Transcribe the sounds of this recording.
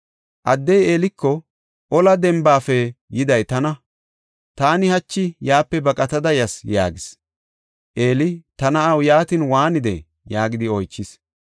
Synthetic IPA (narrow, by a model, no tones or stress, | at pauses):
ʔɐd̪ːɛjeːlɪkːɔ | ʔɔlɐd̪ɛmbaːfɛjɪd̪ɐjt̪ɐnɐ | t̪aːnɪhɐt͡ʃːɪjaːpːɛbɐkʼɐt̪ɐd̪ɐjɐsja̰ːɡɪs | ʔeːlɪt̪ɐnɐɐwjaːt̪ɪnwaːnɪd̪ɛ̰ | jaːɡɪd̪ɪɔjt͡ʃːɪs